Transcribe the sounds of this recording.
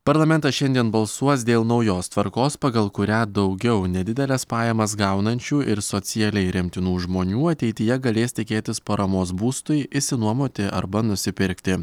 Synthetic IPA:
pɐɾlˠɐmʲɛnt̪ɐsʃʲɛnʲd̪ʲiɛnbɐlˠsuɔs̬d̪ʲeːlˠnɒʊjoːst̪ʋɐɾkoːspɐɡɐlˠkʊɾʲæːd̪ɒʊɡʲɛʊnʲɛd̪ʲɪd̪ʲɛlʲɛspɑːjɛmɐsɡɑˑʊnɐnʲt͡ʃʲuːʔɪɾsoːt̪sʲɪjɛlʲɛɪɾʲɪmʲt̪ʲɪnuːʒmoːnʲuːɐt̪ʲɛɪt̪ʲɪjɛɡɐlʲeːst̪ʲɪkʲeːt̪ʲɪspɐɾɐmoːsbuːst̪ʊjɪsʲɪnuɔmoːt̪ʲɪʔɐ̰ɾbɐnʊsʲɪpʲɪɾʲkt̪ʲɪ

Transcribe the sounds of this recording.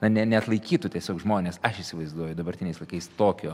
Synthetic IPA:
nɐnʲɛnʲɛɐt̪lˠɐɪkʲiːt̪ʊt̪ʲiɛsʲoːkʒmoːnʲeːsɐʃiːsʲɪʋɐɪzd̪uɔjʊd̪ɐbɐɾʲt̪ʲɪnʲɛɪslˠɐɪkɐɪst̪oːkʲoː

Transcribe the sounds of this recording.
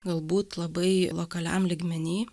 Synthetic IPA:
ɡɐlˠbuːt̪lˠɐbɐɪlˠokɐlʲæ̰mlʲiːɡmʲɛnʲiː

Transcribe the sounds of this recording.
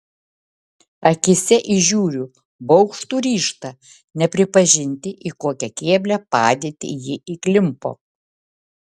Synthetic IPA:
ɐkʲɪsʲɛʔiʒʲuːɾʲu | bɒʊkʃt̪uːɾʲiːʃt̪ɐ | nʲɛpʲɾʲɪpɐʒʲɪnʲt̪ʲɪʔikoːkʲɛkʲeːbʲlʲɛpɑ̰ːd̪ʲeːt̪ʲɪ̰jɪʔiklʲɪmpo̰ː

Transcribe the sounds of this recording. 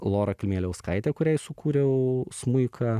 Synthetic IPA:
lˠoːɾɐkʲɐlʲmʲeːlʲɛʊskɐɪt̪ʲɛkʊɾʲɛɪsʊkuːɾʲɛʊsmʊɪkʰɐː

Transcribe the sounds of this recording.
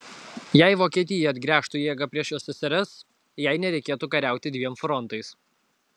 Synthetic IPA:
jæɪʋoːkʲiɛt̪ʲɪjɛɐd̪ʲɡɾʲæːʃt̪uːjeɛɡɐpʲɾʲiɛʃjoːsʲɛsʲɛɾʲɛs | jæɪnʲɛɾʲɛɪkʲeːt̪uːkɐɾʲæˑʊt̪ʲɪd̪ʲʋʲiɛmfɾɔnt̪ɐɪs

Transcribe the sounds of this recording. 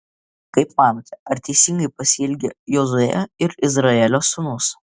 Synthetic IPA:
kɐɪpmɑːnot̪ʲɛɐɾʲt̪ʲɛɪsʲɪŋɡɐɪpɐsʲɪɪlʲɡʲejozʊjɛ̰ɪɾɪzɾɐɛlʲoːsʊnʊs

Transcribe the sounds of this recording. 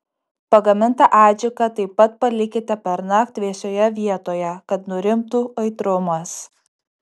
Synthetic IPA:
pɐɡɐmʲɪnt̪ɐʔɑːd͡ʒʲɪkɐt̪ɐɪpːɐt̪̚pɐlʲɪkʲɪt̪ʲɛpʲɛɾnɐk̚t̪ʲʋʲiɛsʲoːjɛʋʲiɛt̪oːjɛkɐt̪nʊɾʲɪmt̪uːɐɪt̪ɾʊmɐs

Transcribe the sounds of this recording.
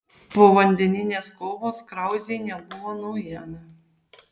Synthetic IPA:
poːʋɐnʲd̪ʲɛnʲɪnʲeːskoːʋoːskɾɑˑʊzʲeɪnʲɛbʊʋoːnɔʊjiɛmʲɪ

